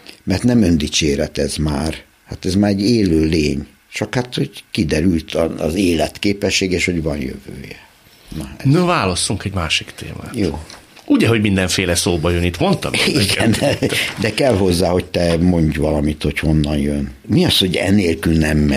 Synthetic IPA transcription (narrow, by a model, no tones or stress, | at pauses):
mɛrt̪nɛmønd̪it͡ʃeːɾɛt̪ɛzmaːr | hat̪ɛzmaːɾɛɟeːløːleːɲ | t͡ʃɒkhat̪ho̞ɟkid̪ɛɾylt̪ʰɒɒ̰zeːlɛt̪keːpɛʃːeːɡeːʃho̞ɟʋɒnjø̰vø̰ːjɛ | nɒɛnøvaːlɒst̪uŋkɛɟmaːʃikt̪ḛːma̰ːjoːuɟɛɦo̞ɟmind̪ɛɱfeːlɛsoːbɒjønit̪mo̞nt̪ɒ̰miɡɛnnɛd̪ɛkɛlɦo̞zːaːho̞ct̪ɛmo̞ɲɟʋɒlɒmit̪ho̞cho̞nːɒnjøn | miɒsho̞ɟɛ̰neːlkylnɛmːɛ